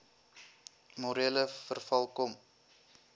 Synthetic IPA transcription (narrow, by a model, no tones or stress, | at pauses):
moɾiələfərfɐlˠkɔm